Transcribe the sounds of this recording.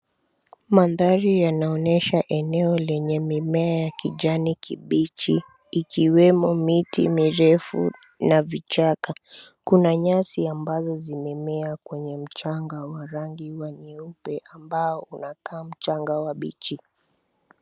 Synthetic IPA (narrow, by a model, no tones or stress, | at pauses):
manðaɾijanaɔnɛʃaʔɛnɛɔlɛɲɛmimɛajakiʄanikiɓit͡ʃiː | kiwɛmɔmitḭmiɾɛfṵ | navit͡ʃakakunaɲasiambazɔzimɛmɛakwɛɲɛm̩t͡ʃaŋɡawaɾaŋɡiwaɲiupɛʔambaɔunakaːm̩t͡ʃaŋɡawaɓit͡ʃi